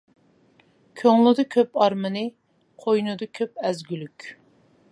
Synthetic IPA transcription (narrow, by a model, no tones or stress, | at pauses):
kʲʰøŋlˠɨd̪ɨkʲʰøpɑɾmɨnɨ | qʰojnɨd̪ɨkʲʰøpɛzɡʲylykʲ